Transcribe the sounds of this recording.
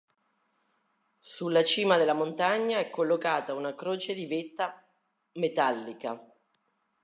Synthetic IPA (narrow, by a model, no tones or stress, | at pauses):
sulːat͡ʃiːmad̪elːamont̪aɲːaɛkːolːokaːt̪aunakɾoːt͡ʃed̪ivet̪ːa | met̪alːika